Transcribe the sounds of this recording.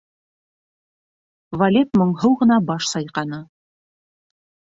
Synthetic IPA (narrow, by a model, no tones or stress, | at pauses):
vɐlʲepmŏɴɦɤwʁɤ̆nɑbɑʃsɑjqɑnɤ